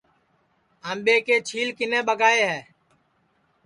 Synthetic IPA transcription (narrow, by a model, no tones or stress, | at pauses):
ə̃ːmɓeːkeːt͡ʃʰiːlkɪnẽːɓəɡaːeːɦɛː